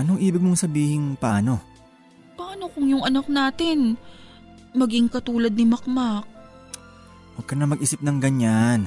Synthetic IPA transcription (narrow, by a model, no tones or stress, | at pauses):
ʔɐnoŋʔiːbɪɡ̚moŋsɐbiːhɪŋpɐaːno̞ | paːno̞kʊŋjʊŋʔɐnak̚naːt̪ɪn | mɐɡɪŋkɐt̪uːlɐd̪̚nɪmɐkmak̚ | wɐɡ̚kːɐnɐmɐɡʔiːsɪp̚nɐŋɡɐɲan